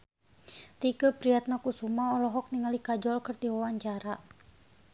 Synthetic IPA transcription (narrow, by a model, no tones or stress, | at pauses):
t̪iɡəpɾiat̪̚nakusumaɔlɔɦɔk̚niŋalikad͡ʒɔlkɨrdiwawaɲt͡ʃaɾa